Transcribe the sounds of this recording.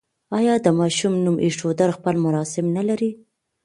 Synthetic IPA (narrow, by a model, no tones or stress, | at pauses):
ɑjɑd̪əmɑʃumnumʔiʂod̪aɾxpəlmʊɾɑsɪmnalaɾi